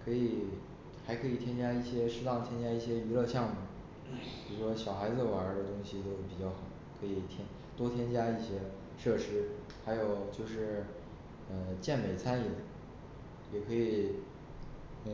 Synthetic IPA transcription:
kʰɤ˧˥i˨˩ | xa˧˥ɪkʰɤ˧˥i˨˩t̪ʰjɛ˥nt͡ɕja˥i˥˩ɕjɛ˥ʂɻ̩˥t̪ɑ˥˩ŋt̪ʰjɛ˥nt͡ɕja˥i˥˩ɕjɛ˥y˧˥lɤ˥˧ɕjɑ˥˩ŋmu˥˩ | o˥˩u˧˩ʂwɔ˥ɕjɑ˨˩ʊxa˧˥ɪd͡zɹ̩˧wa˨˩ə˞˧˥d̪ə˧t̪ʊ˥ŋɕi˨t̪o˥ʊ˩pi˨˩t͡ɕjɑ˥˩ʊxɑ˨˩˦ʊkʰɤ˧˥i˨˩t̪ʰjɛ˥n | t̪wɔ˥t̪ʰjɛ˥nt͡ɕja˥i˥˩ɕjɛ˥ | ʂɤ˥˩ʂɻ̩˥ | xa˧˥ɪjo˨˩ʊt͡ɕjo˥˧ʊʂɻ̩˥˩ | ə˧t͡ɕjɛ˥˩nme˨˩ɪt͡sʰa˥ni˥˩d̪ə˨˩ | jɛ˨˩kʰɤ˧˥i˨˩˧

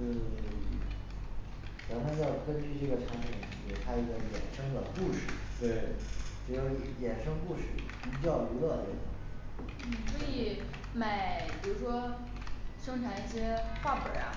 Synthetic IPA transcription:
t͡ɕɑ˧˥nʰa˥t͡ɕjɑ˥˩ʊkə˥nt͡ɕy˥˧ʈ͡ʂɤ˥˩ɡə˩ʈ͡ʂʰa˧˥npʰi˨˩ŋn̩˨˩˧t̪ʰa˥i˧˥ɡə˧jɛ̰˨˩nʂɤ˥ŋd̪ə˨ku˥˧ʂɻ̩˥˩t̪we˥˩ɪʈ͡ʂɻ̩˧˥jo˧˥ʊ˧˥jɛ˨˩nʂɤ˥ŋku˥˧ʂɻ̩˥˩˧ | t͡ɕjɑ˥˩ʊlu˧˥lɤ˥˧t̪ɛ̰˥˩d̪̰ | n̩˥˩swɔ˧˥i˨˩˦ | ma˨˩ɪpɻu˧˥ʂwɔ˥ | ʂɤ˥ŋʈ͡ʂʰa˧˩˥ɕjɛ˥xwa˥˩pə̰˞˨˩˦a̰˧˥

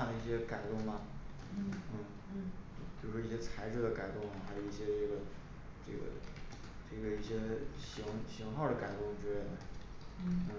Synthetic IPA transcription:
d̪ə˩i˥˩ɕjɛ˥ka˨˩ɪt̪ʊ˥˩ŋmɐ˩˥ | n̩˥˩˥ | pi˨˩ɻu˥ʂwɔ˥i˥˩ɕjɛ˥t͡sʰa˧˥ɪʈ͡ʂɻ̩˥˩d̪ə˩ka˨˩ɪt̪ʊ˥˩ŋɐ˨˩xa˥ɪjo˨˩i˥˩ɕjɛ˥ʈ͡ʂɤ˥˩ɡə˩ | ʈ͡ʂɤ̰˥˩ɡə̰˩ | ʈ͡ʂɤ˥˩ɡə˩i˥˩ɕjɛ˥ɕi˧˥ŋɕi˧˥ŋxɑ˥˩ʊd̪ə˩ka˨˩ɪt̪ʊ˥˩ŋ˨˩t͡ɕɻɛ˧˥e˥˩ɪd̪ə˩˥˩ | n̩˥˩

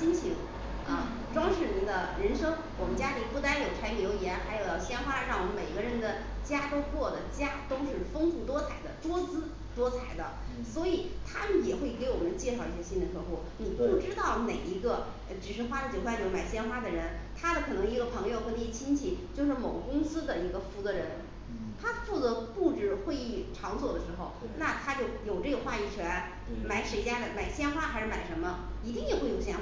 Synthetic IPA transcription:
i˥nt͡ɕʰi˧˥ŋ | ə˥˧ | ʈ͡ʂwɑ˥ŋʂɻ̩˥˩ɻə˧˥nd̪ə˧ɻə˧˥nʂɤ˥ŋ | wɔ˨˩mə˧˦nt͡ɕja˥li˨˩pu˥˩t̪a˥njo˨˩ʊʈ͡ʂʰa˧˥ɪmjo˧˥ʊi˧˩jɛ˧˥nxa˧˥ɪjo˨˩ʊjɑ˥˩ʊɕjɛ˥nxwa˥ɻɑ˥˩ŋwɔ˨˩mə˦nme˨˩ɪ˧ɡə˧ɻə˧˥nd̪ə˨ | t͡ɕja˥t̪o˥ʊkwɔ˥˩d̪ə˩t͡ɕja˥t̪o˥ʊt͡ɕ̩˥˧ʂɻ̩˥˩fɤ˥ŋfu˥˩t̪wɔ˥t͡sʰa˨˩ɪd̪ə˧ʈ͡ʂwɔ˥t͡sɹ̩˥ | t̪wɔ˥t͡sʰa˨˧˩ɪd̪ə̰˧swɔ˧˥i˨˩t̪ʰa˥mə˨njɛ˨˩xwe˥˩ɪke˧˥ɪwɔ˨˩mə˦nt͡ɕjɛ˥˧ʂɑ˥˧ʊi˥˩ɕjɛ˥ɕi˥nd̪ə˨kʰɤ˥˧xwɔ˥˩ni˨˩pu˥˩ʈ͡ʂɻ̩˥t̪ɑ˥˩ʊne˨˩ɪi˧˥ɡə˧˩ | ʈ͡ʂɻ̩˨˩ʂɻ̩˥˩xwa˥lə˩t͡ɕjo˨˩ʊxwa˥n˨˩˥ma˨˩ɪɕjɛ˥nxwa˥d̪ə˨ɻə˧˥nt̪ʰa˥d̪ə˨kʰɤ˨˩nɤ˧˥ŋi˧˥ɡə˧pʰɤ˧˥ŋjo˧ʊxɤ˧˥ne˧˩˥t͡ɕʰi˥nt͡ɕʰi˥˩t͡ɕjo˥˧ʊʂ̬ɻ̩˥˩mo˨˩ʊɡə˦kʊ˥ŋsɹ̩˥d̪ə˨i˧˥ɡə˧fu˧˩t͡sɤ˧˥ɻə˧˥n | t̪ʰa˥fu˥˩t͡sɤ˧˥pu˥˩ʈ͡ʂɻ̩˥˩xwe˥˧ɪi˥˩ʈ͡ʂʰɑ˧˥ŋswɔ˨˩d̪ə˦ʂɻ̩˧˥xo˥˧˩ʊ | na˥˩t̪ʰa˥t͡ɕjo˥˩ʊjo˨˩ʊʈ͡ʂɤ˥˩ɡə˩xwa˥˧i˥˩t͡ɕʰɥɛ˧˥n | ma˧˥ɪʂwe˧˥ɪt͡ɕja˥d̪ə˧˩ma˨˩ɪɕjɛ˥nxwa˥xa˧ɪʂɻ̩˥˩ma˨˩ɪʂə˧˥nmə˧i˧˥t̪i˥˩ŋjɛ˨˩xwe˥˩jo˨˩ʊɕjɛ˥na˥

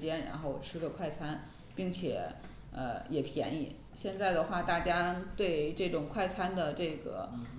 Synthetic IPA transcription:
t͡ɕjɛ˥nɻa̰˧˥nxo˥˩ʊʈ͡ʂʰɻ̩˥ɡə˧kʰwa˥˩ɪt͡sʰa˥n | pi˥˩ŋt͡ɕʰjɛ˨˩˦ | ə̰˧jɛ˨˩pʰjɛ̰˧˥nḭ˨˩˦ | ɕjɛ˥˧nt͡sa˥˩ɪd̪ə˩xwa˥˩t̪a˥˩t͡ɕja˥t̪we˥˧ɪʈ͡ʂɤ˥˩ʈ͡ʂʊ˨˩ŋkʰwa˥˩ɪt͡sʰa˥nd̪ə˨ʈ͡ʂɤ˥˩ɡə̰˩

